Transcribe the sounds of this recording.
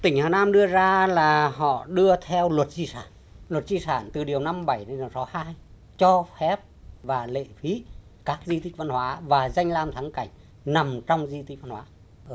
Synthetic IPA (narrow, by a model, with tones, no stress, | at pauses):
t̪ï˨˩ŋ̟haː˨˩naː˧mɗɨ˧əzaː˧laː˨˩hɔ̰˧˨ɗɨ˧ət̪ʰɛ˧wlwə˨˩t̚zi˧saː˧˩n | lwə˨˩t̚zi˧saː˧˩nt̪ɨ˨˩ɗi˨˩əwna˧mɓa˧˩jɗe˨˧ɗi˨˩ə˩wsɔ˨˦haː˧j | t͡ɕɔ˧fɛ˦˥p̚vaː˨˩lḛ˧˨fi˨˦ | kaː˦˥k̚zi˧t̪i˦˥k̚va˧nhwaː˨˦vaː˨˩za˧jŋ̟laː˧mt̪ʰaː˨˦ŋka˧˩jŋ̟ | na˨˩mt͡ɕɔ˧wŋ͡mzi˧t̪ʰi˦˥k̚va˧nhwaː˨˦ | ʔəː˧˩